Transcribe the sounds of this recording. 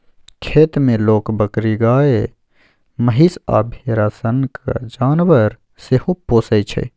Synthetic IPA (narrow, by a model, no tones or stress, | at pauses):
kʰeːt̪mẽloːkbəkɾiɡaːe | məɦisa̰ːbʱeːɾaːsənka̰d͡ʒaːnʋəɾ | sehupːoːsəjt͡ʃʰə̰